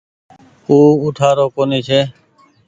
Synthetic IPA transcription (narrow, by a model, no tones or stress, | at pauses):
uːuːʈʰaːɾoːkoːniːt͡ʃʰeː